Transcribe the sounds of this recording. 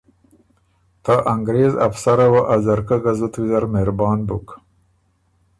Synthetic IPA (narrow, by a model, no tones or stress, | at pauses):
t̪aʔaŋɡɾeːza̰fsaɾawaʔazaɾkaɡazut̪wizaɾmeɾbɑːnbuk